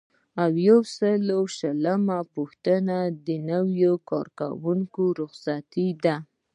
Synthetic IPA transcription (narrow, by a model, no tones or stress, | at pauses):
awjawsəlowʃələmapuxt̪ənad̪ənəwjokɑ̰ɾka̰wuŋkoɾʊxsat̪id̪a